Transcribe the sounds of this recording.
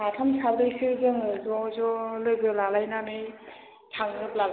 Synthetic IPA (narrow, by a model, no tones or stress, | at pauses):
atʰamsaɾdɯjsɯzɯŋzɔzɔlɯjɡɯlalajnanɯj | tʰaŋɯp̚lal